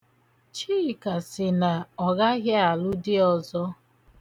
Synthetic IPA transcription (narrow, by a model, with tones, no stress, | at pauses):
t͡ʃiː˦˨ka˨sɪ˨na˨ɔ˨ɣa˦ɣa˦a˨lʊ˦dɪ˦ɔ˨zɔ˦